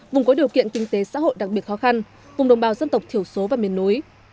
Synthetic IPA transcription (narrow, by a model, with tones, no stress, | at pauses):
vʊ˨˩ŋ͡mkɔ˨˦ɗi˨˩əwkḭ˧˨ənkï˧ŋ̟t̪e˨˦sa̰ː˧˥ɦo̰˧˨jɗa˨˩k̚ɓi˨˩ət̚xɔ˨˦xa˧n | vʊ˨˩ŋ͡mɗə˨˩ŋ͡mɓaː˨˩wzə˧nt̪ə˨˩wk͡p̚t̪ʰi˧˩əwso˨˦vaː˨˩mi˨˩ənːu˨˦j